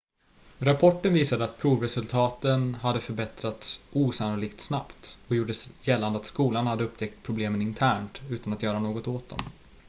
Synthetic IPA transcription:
ɾapʰɔʈːənviːsad̪əat̪̚pʰɾuːvɾɛsɵlt̪ʰɑːt̪ənɦad̪ːəfœɾbɛt̪ɾat̪sʔuːsanʊliːkt̪snapt̪ɔjuːɖəsjɛlːand̪əat̪skuːlanhad̪ːəɵpt̪ʰɛk̚t̪̚pʰɾʊbleːmənɪnt̪ʰæːɳʈʉ̟ːt̪anat̪jœːɾanoːɡɔt̪oːt̪̚d̪ɔ̰m

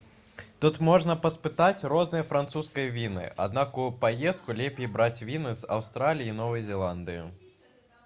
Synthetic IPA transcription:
t̪ut̪mɔʐnɐpɐspɨt̪at͡sʲrɔznɨjɐfɾant̪suskɐjɐvʲinɨ̰ʔa̰d̪̚nakupajɛst̪̚kulʲɛpʲejbɾat͡sʲvʲinɨza̰wst̪ɾalʲijinɔvɐjzʲɛlˠand̪ɨju

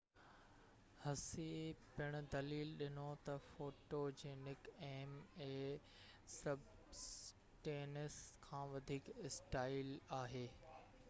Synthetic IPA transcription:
hɐsepɪɽ̃̆d̪ɐliːlɗɪnot̪ɐfoːʈod͡ʑeːnɪkeːmeː | sɐb | s | ʈeːnəskʰãːʋɐd̪ʱiːkɪsʈaːɪlaːɦeː

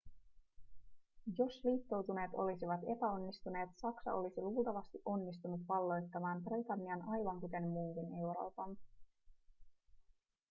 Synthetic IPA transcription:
jo̞sliːt̪ːo̞wt̪une̞ːt̪o̞̰lisiʋɑt̪e̞pæo̞nːist̪une̞ːt̪sɑksɑ̰ʔo̞̰lisiluːlˠt̪ɑʋɑst̪iʔo̞nːist̪unut̪ʋɑlːo̞jt̪ːɑmɑːmbrejt̪ɑnːiɑnɑjʋɑŋkut̪e̞nmuːline̞wɾo̞̰ːpɑn

